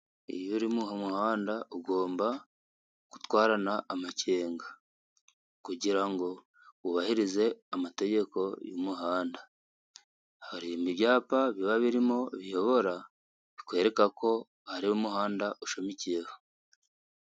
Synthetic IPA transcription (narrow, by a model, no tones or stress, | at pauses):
ḭjuɾimuːhamuhaːndauɡo̞ːmba | ku̥twaːɾanaːmace̞ːŋɡa | kuɟiɾaŋɡo̞ | uβahiɾize̞amate̞ɟe̞ko̞jumuɦaːnda | haɾimiβjaːpaβiβaβiɾimo̞βijo̞βo̞ɾa | βikwe̞ːɾe̞kako̞ | haɾiumuɦaːndaʔuʃo̞micije̞ho̥